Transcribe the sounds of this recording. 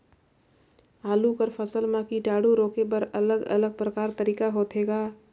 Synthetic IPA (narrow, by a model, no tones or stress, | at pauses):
aːlukəɾpʰəsəlmãkiɖaːɽuɾoːkepəɾɐləɡə̰ləɡ̚pɾəkaːɾt̪əɾiːkaɦoːt̪ʰeːɡaː